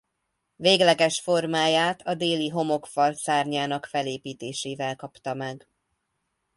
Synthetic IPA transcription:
veːɡlɛɡɛʃfo̞rmaːjaːt̪ʰɒd̪eːliɦo̞mo̞kfɒlsaːrɲaːnɒkfɛleːpiːt̪eːʃeːvɛlkɒpt̪ɒmɛɡ

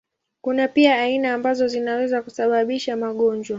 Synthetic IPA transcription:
kunapiaːinaːmbazɔzinawɛzakusaɓaɓiʃamaɠɔɲd͡ʒwa

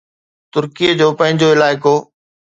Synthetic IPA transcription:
t̪ʊɾkijed͡ʑoːpɐ̃ɦɪ̃ɲd͡ʑoɪlaːɪkoː

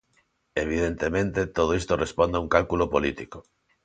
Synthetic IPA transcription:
eβ̞iðent̪emẽnt̪et̪oð̞oist̪orʔespond̪auŋkalkulopolit̪iko̥

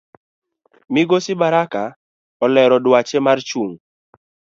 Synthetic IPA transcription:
mɪɡosɪbaɾaka | ɔlɛɾɔdwat͡ʃemart͡ʃuŋ

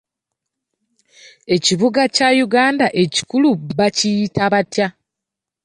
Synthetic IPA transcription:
e̞ciβuɡacajuɡaːndaʔe̞ci̥kuluβacijitaβatja

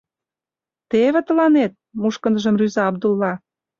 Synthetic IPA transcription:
t̪eβĕt̪ə̆lɑnet̪̚muʃkə̆nəʒə̆mryzɑɑb̚d̪ulːɑ

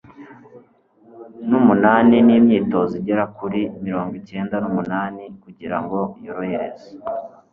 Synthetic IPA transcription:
numunaːniniːmɲiːto̞ziɟe̞ɾakuɾimiɾo̞ːŋɡwice̞ːndanumunaːnikuɟiɾa̰ŋɡo̞joɾoheɾḛzḁ

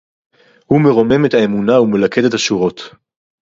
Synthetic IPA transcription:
hume̞ʁo̞me̞methae̞munaumelakede̞thaʃuʁo̞t

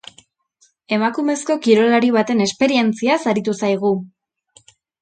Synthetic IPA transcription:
e̞makume̞sko̞kiɾo̞laɾiβ̞at̪e̞ne̞spe̞ɾie̞nt͡siasaɾit̪usajɣ̞u

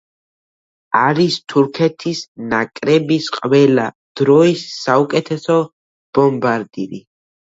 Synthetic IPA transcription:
aɾist̪ʰuɾkʰɛt̪ʰisnakʼɾɛbisqʼvɛla | d̪̥ɾɔisːaukʼɛt̪ʰɛsɔ | b̥ɔmbaɾd̪ḭɾḭ

